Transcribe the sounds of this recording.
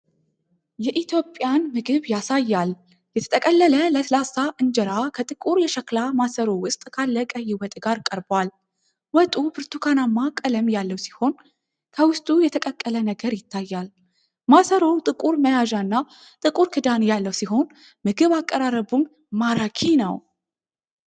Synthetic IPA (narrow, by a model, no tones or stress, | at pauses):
jɛʔit̪ʰjo̞pʼːjanmɨɡɨβjasajːal | jɛt̪ʰə̥t̪ʰəkʼəlːələləslasaʔɨnd͡ʒɛɾakʰət̪ʼɨkʼuɾjɛʃəklamasəɾowʊst̪ʼkʰalːəkʼəjɪwɔt̪ʼɡaɾkʼəɾbwal | wɔt̪ʼubɨɾt̪ʰukʰanamːakʼələmjalːəwsi̥ho̞n | kʰəwʊst̪ʼujɛt̪ʰəkʼəkʼːələnəɡəɾjɪt̪ʰːajːal | masəɾowt̪ʼɨkʼuɾməjaʒaɨnːa | t̪ʼɨkʼuɾkʰɨd̪anjalːəwsiɦo̞n | mɨɡɨβakʼːəɾaɾəbum | maɾakʰinəw